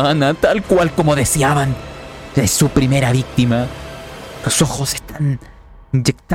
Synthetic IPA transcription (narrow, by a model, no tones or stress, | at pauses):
anat̪alkwalko̞mo̞ðesjaβand̪̥esupɾime̞ɾaβik̚t̪ima | losoxosest̪an | nd͡ʒek̚t̪